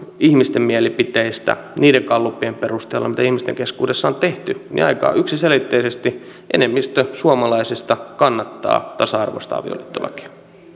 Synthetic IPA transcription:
ihmist̪emmiælipit̪eist̪æ̰niːɾeŋkɑlːupːˑiemperust̪eːlːɑ̰mit̪æihmist̪eŋkeskuːdesːɑont̪eht̪ynḭɑ̰ikɑ̰ːyksiselit̪ːeisest̪i | ʔḛnemːist̪øsuɑmɑlɑisist̪ɑkɑnːɑt̪ːɑ̰ːt̪ɑsɑɑrʋo̰st̪ɑ̰ʋio̰lit̪ːolɑ̰ki̥

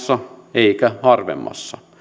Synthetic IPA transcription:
sːɑeikæhɑrʋḛmːɑ̰sːɑ

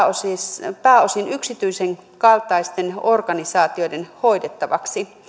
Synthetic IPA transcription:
osipæːosinyksit̪yiseŋkɑlt̪ɑist̪enorɡ̥ɑnisɑːt̪iodenhoidet̪ːɑʋɑ̰ksi

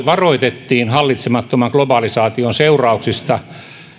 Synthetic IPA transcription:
ʋɑroit̪et̪ːiːnhɑlːit̪semɑt̪ːomɑŋklobɑlisɑːt̪ionseurɑuksist̪ɑ

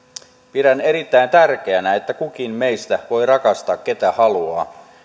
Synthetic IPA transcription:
piɾæneɾit̪ːæint̪ærk̟eænæet̪ːækuk̟inmejst̪æʋo̞irɑkɑst̪ɑːkke̞t̪æhɑluɑ̰ː

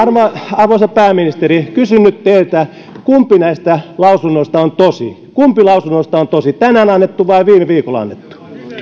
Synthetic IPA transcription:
ɑrʋɑɑrʋoisɑpæːminist̪erikysynːytt̪eilt̪æ | kumpˑinæist̪ælɑusunːoist̪ɑont̪osḭ | kumpilɑusunːost̪ɑont̪osit̪ænænɑnːet̪ːuʋɑiʋiːmeʋiːkolɑ̰nːet̪ːu̥

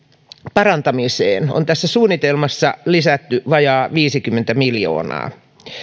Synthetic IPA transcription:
pɑrɑnt̪ɑmiseːno̰nt̪æsːæsuːnːit̪elmɑsːɑlisæt̪ːyʋɑjɑːʋiːsikymːent̪æmiljo̰ːnɑ̰ː

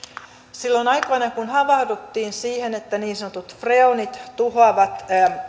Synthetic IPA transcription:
silːonɑjkojnɑkunhɑʋɑhdut̪ːiːnsiːhenet̪ːæniːnsɑnot̪ut̪freonit̪t̪uɦoɑʋɑt̪

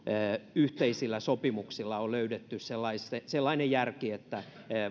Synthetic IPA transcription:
yht̪eisilːæsopimuksilːɑoløydet̪ːysselːɑiseselːɑinejjærkiet̪ːæ

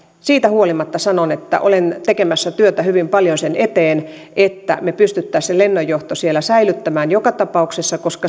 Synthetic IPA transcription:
siːt̪æhuolimɑt̪ːɑsɑnonet̪ːæ̰ʔo̰lent̪ekemæsːæt̪yøt̪æhyʋimpɑljonsenet̪eːn | et̪ːæ̰mepyst̪yt̪ːæːselenːojːoht̪osielæsæilyt̪ːæmæːnjokɑt̪ɑpɑuksesːɑkoskɑ

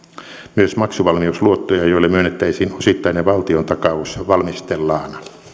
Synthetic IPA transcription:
myøsmɑksuʋɑlmiusluot̪ːojɑjoilːemyønːet̪ːæisiːnosit̪ːɑineʋɑlt̪iont̪ɑkɑusʋɑlmist̪elːɑːnɑ

